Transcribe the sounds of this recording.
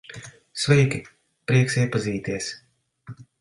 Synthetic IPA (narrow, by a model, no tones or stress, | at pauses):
svɛjkʲi | pɾiɛksiɛpaziːt̪iɛs